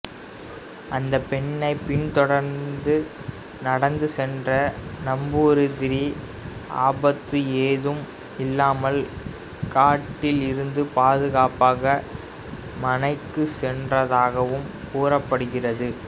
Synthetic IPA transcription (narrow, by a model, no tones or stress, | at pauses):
ʔɐnd̪ɐpɛɳːɐɪpɪɳt̪ɔɽɐɾnd̪ɯ | nɐɽɐnd̪ɯsɛndrɐnɐmbɯɾɯðɪɾi | a̰ːbɐt̪ːɯeːðɯm | ɪlːaːmɐl | kaːʈːɪlɪɾɯnd̪ɯpaːðɯɣaːpaːɣɐ | mɐnɐɪkːɯsɛndrɐðaːɣɐʋɯmkuːrɐpːɐɽɯɣɪrɐðɯ